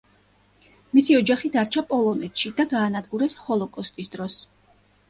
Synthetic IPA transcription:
misiɔd͡ʒaχid̪aɾt͡ʃʰapʼɔlˠɔnɛt̪ʰʃid̪aɡaːnad̪ɡuɾɛshɔlˠɔkʼɔst̪ʼisd̪ɾɔs

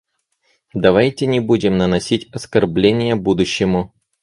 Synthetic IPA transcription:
d̪ɐvajtʲɪnʲɪbudʲɪmnənɐsʲitʲɐskɐrblʲenʲɪjəbud̪ʊɕːɪmʊ

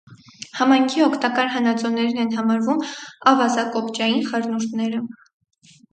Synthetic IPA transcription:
hɑmɑjŋkʰiɔkʰt̪ɑkɑɾɦɑnɑt͡sɔnɛɾinɛnɦɑmɑɾvumɑvɑzɑkɔpt͡ʃɑjinχɑɾnuɾt̪ʰnɛɾə

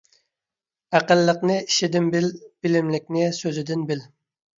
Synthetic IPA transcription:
æqəlːəqnɨiʃɪd̪ɪnbɪlb̥ɪlɪmlɪk̚ʲnɪsøzɪd̪ɪnbɪl

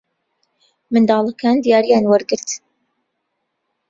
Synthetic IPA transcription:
mɨnd̪ɑːlˠakʰaːnd̪ijaːɾijaːnwaɾɡɨɾt̪

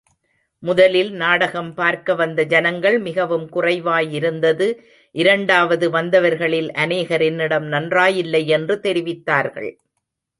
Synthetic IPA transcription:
mʊðɐlɪlnaːɽɐɣɐmpaːɾkɐʋɐnd̪ɐd͡ʒɐnɐŋɡɐɭmɪɣɐʋɯmkʊrɐɪʋaːjɪɾɯnd̪ɐðɯ | ʔɪɾɐɳɖaːʋɐðɯʋɐnd̪ɐʋɐɾɣɐɭɪlʔɐneːɣɐɾɪnɪɽɐmnɐndraːjɪlːɐɪɛndrɯt̪ɛɾɪʋɪt̪ːaːɾɣɐ̰ɭ

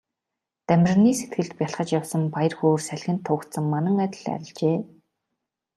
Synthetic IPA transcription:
t̪æmʲɪ̆rniːset̪ɡɘ̆ɮt̪̚pʲjaɬχə̆t͡ɕjawsə̆mpajə̆rxoːrsæɮʲxʲɘ̆nt̪ʰːʊːkt̪sə̆ŋmanə̆ŋæt̪̆ʲɮæ̰ɾʲɪ̆ɮt͡ɕeː

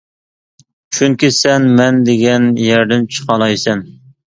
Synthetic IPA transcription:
t͡ʃʰyŋkʲisɛnmɛnd̪eɡʲɛnjɛɾd̪ɪnt͡ʃʰə̥qɑlˠɑjsɛn

